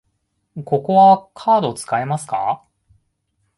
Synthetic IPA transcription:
ko̞ko̞βakʰaːd̪o̞t͡sɨ̥kae̞masɨ̥ka̰

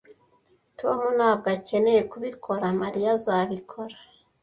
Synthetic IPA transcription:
tomunaːbɡace̞ne̞je̞kuβikʰo̞ɾamaɾijazaβikʰo̞ɾḁ

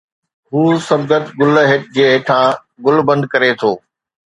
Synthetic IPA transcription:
ɦuːsɐb̚ɡət̪ɡʊlɦɪʈ̚d͡ʑeːʈʰãː | ɡʊlbɐ̃nd̪̚kɐɾet̪ʰoː

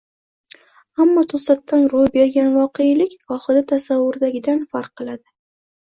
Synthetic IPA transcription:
amːɒt̪ʰʊsat̪ːanɾʊjbe̞ɾɡʲanvɒqʰejlɪkʲɒχɨd̪at̪ʰasavːʊɾd̪aɡʲɪd̪anfaɾqʰːɨlˠad̪ɪ

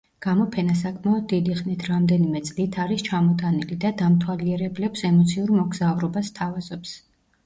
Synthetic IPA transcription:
ɡ̥amɔpʰɛnasakʼmaɔd̪̚ːid̪iχnit̪ʰɾamd̪ɛnimɛt̪sʼlit̪ʰaɾist͡ʃʰamɔt̪ʼanilid̪ad̪amt̪ʰwaliɛɾɛblɛpsɛmɔt̪sʰiuɾmɔɡzauɾɔbast̪ʰavazɔps

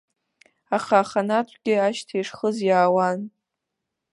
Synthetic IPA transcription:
aχaːχanatʷʰʼɡʲɪaʃtʰejʂχəzjaːwan

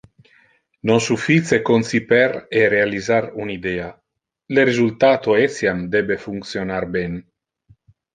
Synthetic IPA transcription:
nonsufit͡sekonsipɛɾerealizaɾunid̪ea | leɾezult̪at̪oesjamd̪ebefuŋk̪sjonaɾbɛn

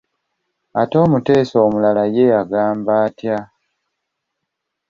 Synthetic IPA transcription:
a̰to̞ːmute̞ːsoːmulalaje̞aɡaːmbaːtja

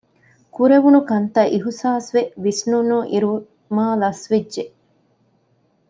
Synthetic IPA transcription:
kuɾeʋunukɐnt̪ɐʔiɦusaːsʋeʋisnunuʔiɾu | maːlɐsʋedʒe

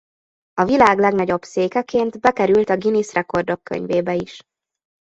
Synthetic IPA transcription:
ɒvilaːɡlɛɡnɒɟo̞bseːkɛkeːnt̪bɛkɛɾylt̪ɒɡinisrɛko̞rd̪o̞kːø̰ɲveːbɛiʃ

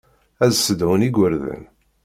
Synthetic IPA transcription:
æzsəd̪ʕəniɡʷəɾðə̰n

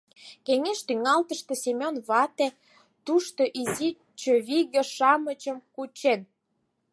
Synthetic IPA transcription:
keŋeʃt̪yŋɑlt̪əʃt̪esemʲonβɑt̪e | t̪uʃt̪oʔizi | t͡ɕøβiɣĕʃɑmət͡ɕə̆mkut͡ɕen

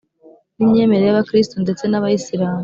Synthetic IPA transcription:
nimɲe̞ːme̞ɾe̞jaβakɾistonde̞t͡se̞naβajisiɾaːm

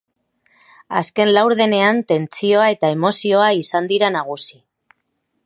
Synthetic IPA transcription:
a̰ske̞nlawɾðe̞ne̞ant̪e̞nt͡sio̞ae̞t̪aemo̞sio̞aisand̪iɾanaɣ̞usi

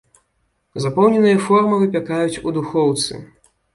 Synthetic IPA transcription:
zapɔwnʲɛnɨjɐfɔrmɨvɨpʲakajut͡sʲud̪uxɔwt̪sɨ̰

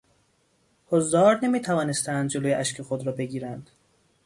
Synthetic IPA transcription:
hozd̪ɒːɾne̞miːt̪ʰævɒːne̞st̪ænd̪̚d͡ʒe̞loːjeʔæʃcʰe̞xod̪ɾɒːbe̞ɡiːɾænd̪̥

